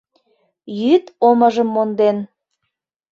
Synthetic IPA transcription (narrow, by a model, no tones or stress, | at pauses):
jyt̪oməʒəmːond̪en